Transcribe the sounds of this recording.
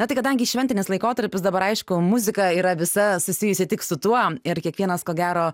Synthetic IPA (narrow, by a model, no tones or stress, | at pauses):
nɐt̪ɐɪkɐd̪ɐŋʲɡʲɪʃʲɛnʲt̪ʲɪnʲɪslˠɐɪkoːt̪ɐɾʲpʲɪsd̪ɐbɐɾɐɪʃkʊmʊzʲɪkɐiːɾɐʋʲɪsɐsʊsʲɪjʊsʲɪt̪ʲɪksʊt̪uɔɪɾkʲiɛkʋʲiɛnɐskoːɡʲæːɾoː